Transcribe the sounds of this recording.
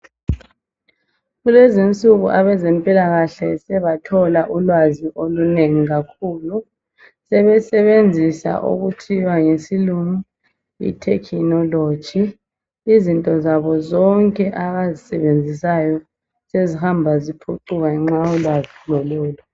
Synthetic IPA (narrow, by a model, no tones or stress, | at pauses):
ɣulezint͡sʼuɣuʔaβɛzɛmpʼilaɣaɬɛsɛβatʰɔlaʔulwaziʔoluneŋiɣakʰuːlu | sɛβɛsɛβend͡zʱisa̰ʔṵɣutʰiβaŋesiluŋu | ḭtʰɛ̰kʰinɔlo̥d͡ʒ̥ʱiː | zintʼɔzaβɔzɔŋkʼɛʔaβazisɛ̰βend͡zʱisajɔ | sezihambʱazipʰuǃuɣaɛŋ͡ǁaɔlwazilɔlɔːlɔ